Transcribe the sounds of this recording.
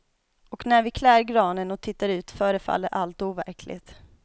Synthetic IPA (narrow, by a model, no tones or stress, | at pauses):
ɔknæɾvɪkʰlæːɾɡɾɑːnənɔk̚t̪ʰɪt̪ːaɾʉ̟ːt̪fœːɾəfa̰lːəɾʔalt̪uːvæ̰ɾkʰlɪ̰t̪